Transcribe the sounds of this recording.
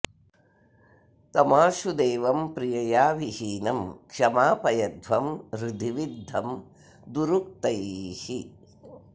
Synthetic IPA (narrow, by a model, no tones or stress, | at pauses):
t̪ɐmaːʃud̪eːʋɐmpɾijɐjaːʋihiːnɐmkʂɐmaːpɐjɐd̪ʋɐmɾud̪ʱiʋid̪ʱːɐm | d̪uɾuk̚t̪ɐjhi